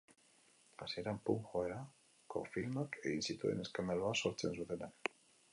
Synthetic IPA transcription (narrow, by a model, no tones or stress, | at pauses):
asieɾampuŋxoeɾa | kofilmakeinsit̪uḛneskameloasoɾt͡sensut̪enak